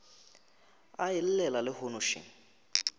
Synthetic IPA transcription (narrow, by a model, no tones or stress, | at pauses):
aɪl̩lɛlalɪhonʊʃḭŋ